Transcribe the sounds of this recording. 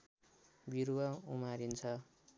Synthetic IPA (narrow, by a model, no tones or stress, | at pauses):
biɾwʌumaɾint͡sʰʌ